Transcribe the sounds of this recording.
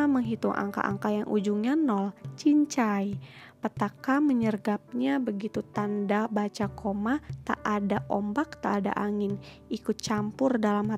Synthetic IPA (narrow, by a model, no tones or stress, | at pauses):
məŋɦit̪ʊŋʔa̰ŋka̰ʔa̰ŋkajaŋʔud͡ʒuŋɲanɔlt͡ʃiɲt͡ʃaj | pət̪akaməɲərɡap̚ɲabəɡit̪ut̪andabat͡ʃakʰomat̪a̰ʔadaʔɔmbak̚t̪aʔːda̰ʔaŋɪn | ikʊt̪̚t͡ʃampʊrdalamha